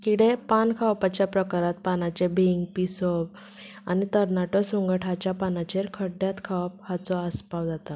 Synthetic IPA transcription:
kiɽepankʰawpat͡ɕjapɾəkaɾat̪̚panat͡ɕebʱiŋɡpisɔb | anit̪əɾnaʈɔsuŋɡəʈʰat͡ɕjapanat͡ɕeɾkʰəɖjat̪kʰawp̚hat͡sɔəspaʋd͡zat̪a

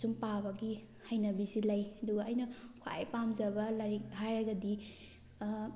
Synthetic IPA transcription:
sumpabɐɡi | hɐjnɐbisilɐjɐduɡɐːjnɐkʰoa̰jpamzɐbɐlaɾihajɾɐɡɐdi

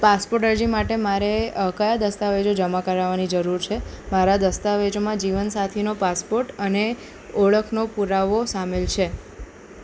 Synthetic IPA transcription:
paspoɾʈəɾd͡ʒimaʈemaɾekəjad̪əst̪aʋed͡ʒod͡ʒəmakəɾaʋanid͡ʒəɾuɾt͡ʃʰe | maɾad̪əst̪aʋed͡ʒomãd͡ʒiʋənsat̪ʰinopaspoɾʈəne | ɔɭəkʰnopuɾaʋosamelt͡ʃʰe

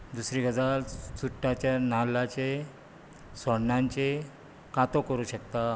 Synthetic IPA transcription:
d̪usɾiːɡʱəd͡zalsuʈːat͡ɕjanalat͡ɕe | səɽnaɲt͡ɕe | kat̪okəɾuːɕəkt̪a

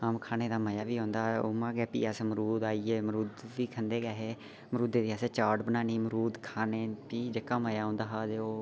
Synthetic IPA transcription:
amkʰaːneːd̪aːməjaːʋiːɦõːnd̪aːo̰mãːɡɛːpḭːasməɾuːd̪aːiːeːməɾuːd̪ʋiːkʰənd̪eːɡɛːɦeː | məɾuːd̪eːd̪iːaːseːt͡ʃaːʈbənaːniːməɾuːd̪kʰaːneːpiːd͡ʒekaːməjaːõːnd̪aːɦaːd͡ʒeoː

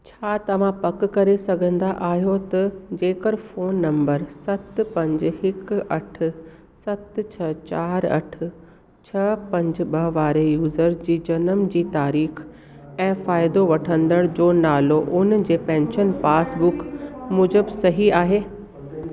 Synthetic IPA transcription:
t͡ɕʰaːt̪ɐʋ̤ãpɐkkɐɾesɐɡʱə̃nd̪aʔaːɦijot̪ɐd͡ʑeːkəɾfoːnːɐ̃mbəɾsɐt̪pɐ̃ɲd͡ʑhɪkɐʈʰʊ̆ | sɐt̪t͡ɕʰɐt͡ɕaːɾɐ̰ʈʰʊ̆ | t͡ɕʰɐpɐ̃ɲd͡ʑ̆ɓɐʋaːɾejuːzəɾd͡ʑiːd͡ʑɐnəmd͡ʑiːt̪aːɾiːx | ɛ̃ːfaːɪd̪oʋɐʈʰə̃nd̪əɽd͡ʑoːnaːloʔʊnd͡ʑeːpɛ̃ːnʃənpaːsbʊkmʊd͡ʑəbsɐɦiaːɦeː

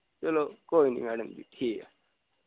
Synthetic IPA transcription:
t͡ʃɐlokoːinḭmæːɖəmbḭʈʰiːka

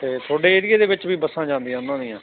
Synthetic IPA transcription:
t̪eːt̪ʰoːɖeːɪɾɪeːd̪eːbɪt͡ʃʋiːbəsãːd͡ʒãːnd̪ijãːʊnd̪ãːnĩːãː

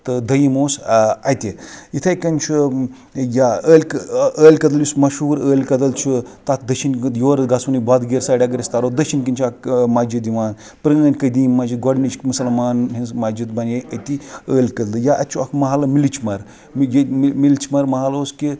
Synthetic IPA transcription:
t̪ɨd̪ɐjimoːsɐjt̪ʲijit̪ʰɐjkɐnt͡ʃʰu | jaəːlʲəːlʲkɐd̪ɐljusmɐʃuːɾəːlʲkɐd̪ɐlt͡ʃʰut̪at̪ʰd̪ɐʃinjoːɾɡasunibad̪ɡeɾsaːɽʲaɡɐɾʲɐst̪aːɾoːd̪ɐʃinkint͡ʃʰamad͡ʒid̪iʋaːn | pɾɐnɐːnʲkɐd̪iːnmːɐd͡ʒiɡɔɖnit͡ʃmusɐlmaːnɦinzmad͡ʒit̪bɐnjeɐt̪iəːlʲkɐd̪lɨjaʔɐt͡ʃʰuɐkʰmɐɦaːlɐmilit͡ʃʰmɐɾ | mjmilt͡ʃʰmɐɾmɐɦaːloːski

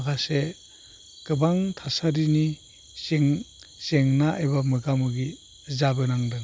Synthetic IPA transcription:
ɡase | ɡ̥ɯbaŋtʰasaɾini | seŋ | seŋnaʔa̰jbamɯɡamɯɡi | zabɯnaŋdɯŋ

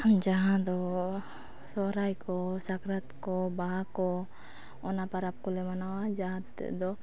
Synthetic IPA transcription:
d͡ʒaɦãd̪ɔ | sɔɾajkɔsakɾat̪kɔbaɦakɔ | ɔnapaɾap̚kɔlɛmanawad͡ʒaɦãt̪ːɛ̰d̪ɔ

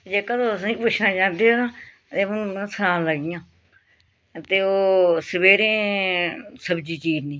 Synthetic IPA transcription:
d͡ʒeːkəd̪oːsãĩːpʊʃʰnãːt͡ʃãːnd̪eːoːɾãː | t̪eːʊñːsəɾãːləɡɪjãː | t̪eːoːsəbeːɾẽː | səbd͡ʒiːt͡ʃiːd͡ʒnĩː

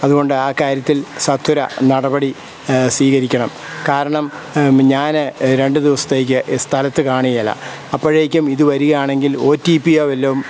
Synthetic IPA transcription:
ɐðuɣo̞ɳɖɨaːkːaːɾjɐt̪ːilsɐt̪ʰːuɾɐ̰nɐɽɐbɐɽi | sʋiːɣɐɾikʲːɐɳɐm | kaːɾɐɳɐm | ɲaːnɨɾe̞ɳɖɨd̪iʋɐsɐ̥t̪ːe̞ːjk̬ʲːɨst̪ʰɐlɐt̪ːɨkaːɳijɐlːɐ̰ | ɐpːɐɻeːkʲːumiðɨʋɐɾuɣɐjaːɳe̞ŋɡilo̞ːtːiːpijoːʋelːɐʋum

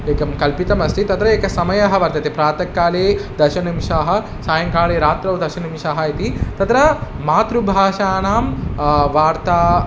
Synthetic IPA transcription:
eːkɐmkɐlpit̪ɐmɐst̪ʰit̪ɐt̪ɾɐeːkɐsɐmɐjɐɦɐʋɐɾt̪ɐit̪ipɾaːt̪ɐkːaːleːd̪ɐɾʃɐnimʃaːɦɐ̆ | saːjɐŋkaːɭeːɾaːt̪ɾɐʋd̪ɐɾʃɐnimʃaːɦɐit̪it̪ɐt̪ɾɐmaːt̪ɾubʱaːʃaːnaːmʋaːɾt̪aː

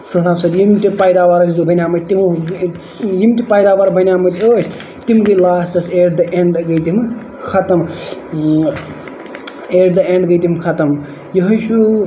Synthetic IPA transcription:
sɐlaːbsɐd̪jimʈipajd̪awaɾɐszobʱɐnʲamɐt̪imu | jimʈʲipaːjd̪aːwaɾbʱɐnʲaːmɐt̪oːsʰ | t̪imɡɐjlaːsʈɐseːɖd̪ɐʔeɳɖɡɐjt̪im | kʰɐt̪ɐm | eːɖd̪ɐeɳɖɡɐjt̪imkʰɐt̪ɐm | jɐɦɐjʃʰu

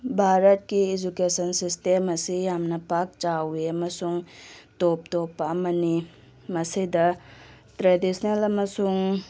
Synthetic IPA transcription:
bʱaɾɐt̚kiːd͡ʒukesɐnsistemɐsijamnɐpak̚t͡ʃawiɐmɐsuŋtop̚topːɐːmɐni | mɐsidɐ | tɾedisʰnelɐmɐsuŋ

